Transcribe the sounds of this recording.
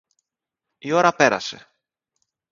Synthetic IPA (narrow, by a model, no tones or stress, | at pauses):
io̞ɾɐpe̞ɾɐ̰se̞̰